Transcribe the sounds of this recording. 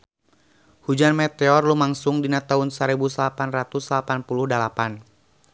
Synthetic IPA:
hud͡ʒanmɛt̪ɛɔrlumaŋsʊŋdinat̪aʊnsəɾɛbusəlapanrat̪uslapanpuluhdalapan

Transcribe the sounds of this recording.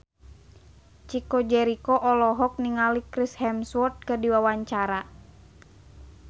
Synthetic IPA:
t͡ʃikɔd͡ʒɛɾikɔʔɔlɔɦɔk̚niŋalikɾishɛmswɔrt̪̚kədiwawaɲt͡ʃaɾa

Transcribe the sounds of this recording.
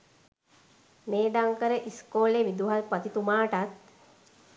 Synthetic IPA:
meːɖaŋkəɾəʔiskoːleʋid̪uɦalpat̪it̪umaːʈat̪̚

